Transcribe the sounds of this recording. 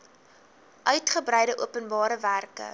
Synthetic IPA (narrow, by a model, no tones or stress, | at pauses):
ʔœɥtχəbrɛjdəʔuəpənbɑːɾəværkə̰